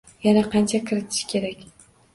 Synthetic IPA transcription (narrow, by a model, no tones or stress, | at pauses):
janaqʰɑnt͡ʃʰakʰɪɾɪt̪ʰɪ̥ʃkʲʰe̞ɾakʲ